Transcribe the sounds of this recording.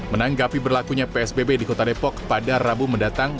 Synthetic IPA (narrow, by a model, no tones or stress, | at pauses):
mənaŋɡapibərlakuɲapeɛsbebedikot̪adepɔkpadarabuməndat̪aŋ